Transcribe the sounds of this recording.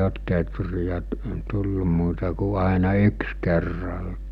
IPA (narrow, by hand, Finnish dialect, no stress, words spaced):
oːt tetrijæ tu tulːu muːtɑ ku ɑˑenɑ yks kerːɑltɑ̥ː